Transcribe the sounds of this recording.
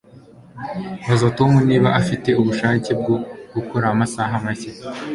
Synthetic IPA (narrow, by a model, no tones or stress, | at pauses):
βazotomuniːβaʔafite̞uβuʃaːce̞b̚ɡoɡ̥ukoɾamasaɦamaçe